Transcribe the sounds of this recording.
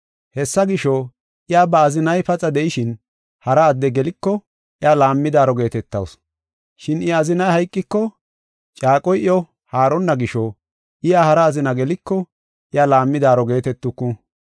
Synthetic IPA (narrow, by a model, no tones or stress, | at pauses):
hɛsːɐɡɪʃɔ | ʔɪjaːbɐːzɪnɐjpɐt͡sʼːɐd̪ɛjɪʃɪn | hɐɾɐːd̪ːɛɡɛlɪkːɔ | ʔɪjaːlaːmːɪd̪aːɾɔɡe̞ːt̪ɛt̪ːɐ̰ws | ʃɪnɪɐzɪnɐjhɐjkʼːɪkːɔ | t͡ʃʼaːkʼɔjʔɪɔ | haːɾɔnːɐɡɪʃɔ | ʔɪjaːhɐɾɐːzɪnɐɡɛlɪkːɔ | ʔɪjalaːmːɪd̪aːɾɔɡe̞ːt̪ɛt̪ːʊkːʊ